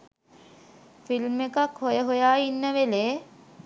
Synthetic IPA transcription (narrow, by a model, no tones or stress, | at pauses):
filmekakhojəɦojaːinːəʋeleː